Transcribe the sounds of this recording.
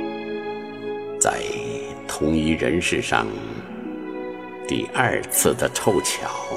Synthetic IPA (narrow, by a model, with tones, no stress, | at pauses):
t͡sa̰˥˧˩ɪ | t̪ʰʊ˧˥ŋy˧˥ɻə˧˥nʂɻ̩˥˧ʂɑ̰˥˧ŋ | t̪ḭ˥˩ʔɐ˞˥˧t͡sʰɹ̩˥˩d̪ə˩ʈ͡ʂʰo˥˧ʊt͡ɕʰjɑ˨˩˦ʊ